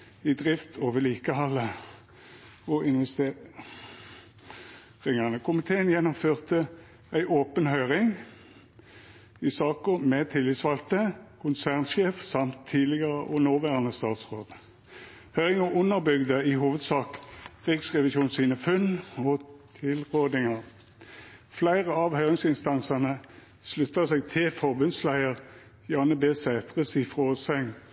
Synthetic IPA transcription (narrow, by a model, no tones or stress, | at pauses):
ɪd̪ʁɪft̪ʰoːʋəliːkəhɑlːə | ɔɪnʋɛst̪eː | ʁɪŋɑʁnəkʰʊmɪt̪ʰeːənjɛnʊmføːʁt̪ə | æɪʔoːpənhœʏʁɪŋ | ɪsɑːkəmɛt̪ʰɪlːɪsʋɑlt̪əkʰʊnsæʁnʃeːfsɑmt̪ʰːiːd̪lɪɡəʁəʔɔnoːʋæːʁənəst̪ɑːt̪sʁoːd̪̥ | hœʏɪŋəʔʊnːəʁbʏɡd̪əɪhuːʋəd̪sɑːkʁɪksʁɛʋɪʃuːnsiːnəfʉnɔt̪ʰɪlʁoːd̪ɪŋəʁ | flæɪʁəɑʋhœʏʁɪŋsɪnst̪ɑnsɑnə | slʉt̪ːəseːɡ̚t̪ʰɪlfɔʁbʉnslæɪəʁ | jɑːnəbeːsæːt̪ʁəsifʁoːsɛŋ